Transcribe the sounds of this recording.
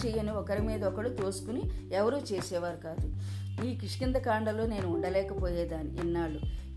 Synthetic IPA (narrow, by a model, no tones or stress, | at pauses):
t͡ʃɛjɐniɔkɐɾimiːd̪ɐɔkɐɽut̪oːsu̥kuniɛʋɐɾuːt͡ʃeːsɛːʋaːɾukaːd̪u | iːkiʂɐ̥kind̪ɐkaːɳɖɐlo̞ːne̞ːnuːɳɖɐlɛːkɐpoːjɛːd̪aːniːnːaːɭu